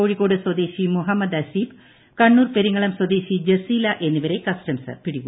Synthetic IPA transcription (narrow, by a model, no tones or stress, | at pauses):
oːɻikːoːɽɨswɐd̪eːɕimuɦɐmːɐd̪ɐsiːb | kɐɳːuːrpeɾiŋːɐɭɐmswɐd̪eːɕid͡ʑɐsiːlɐʔe̞nːuʋɐɾe̞kɐsʈɐmsɐ̰rpiɽiɣu